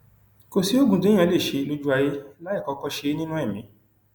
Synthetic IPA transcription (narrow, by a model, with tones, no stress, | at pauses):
ko˧si˦o˦ɡũ˧tẽ˨˦ã˧˦˨le˦˨ʃe˨˧˦lo˦d͡ʒu˦a˧je˦la˦i˦˨kɔ˧kɔ˧ʃe˧˦nĩ˦nũ˦ɛ˦˨mĩ˨˦